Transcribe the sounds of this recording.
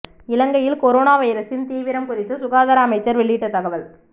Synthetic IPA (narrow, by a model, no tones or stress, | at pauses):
ɪlɐŋɡɐjɪlkɔɾoːnaːʋɐjɐɾɐsɪnt̪iːʋɪɾɐmkʊɾɪt̪ːɯsʊɣaːðɐɾaːmɐɪt͡ʃːɐɾʋɛɭːiʈːɐt̪ːɐɣɐʋɐl